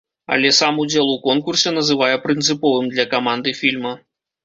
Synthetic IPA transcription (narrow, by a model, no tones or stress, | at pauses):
a̰lʲɛsamud͡zʲelˠukɔnkursʲɛnɐzɨvajɛpɾɨnt̪sɨpɔvɨmd̪lʲɐkamand̪ɨfʲilʲmɐ